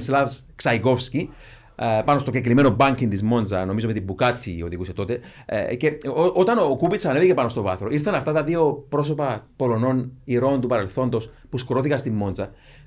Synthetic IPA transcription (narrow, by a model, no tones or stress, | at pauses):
slɐvs | ksɐiɡo̞fsci | pɐno̞st̪o̞ɟek̬lime̞no̞bɐɲkint̪izmo̞nzɐno̞mizo̞met̪ibukɐt̪ʰːḭo̞ðiɣuse̞t̪o̞t̪e̞̰ceot̪ɐnokupit͡ssɐnevicepɐno̞st̪o̞vɐθɾo̞iɾθɐnɐft̪ɐt̪ɐðio̞pɾo̞s̬opɐpo̞lo̞no̞niɾo̞nt̪upɐɾe̞lθo̞nd̪o̞s | puskɾo̞θikɐst̪imːo̞nzɐ